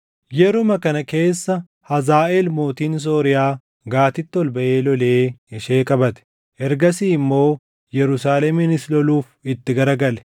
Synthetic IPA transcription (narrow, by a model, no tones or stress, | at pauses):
jɛɾʊmɐkɐnɐke̞ːsːɐ | hɐzaːʔelmoːt̪iːns̬o̞ːɾɪjaː | ɡaːt̪ɪt̪ːɪɔlbɐʔeːlɔle̞ːɪʃeːkʼɐbɐt̪ɛ̥ | ʔɛɾɡɐsiːɪmːo̞ː | jɛɾʊsaːlɛmɪnɪslɔluːfɪt̪ːɪɡɐɾɐɡɐlɛ̥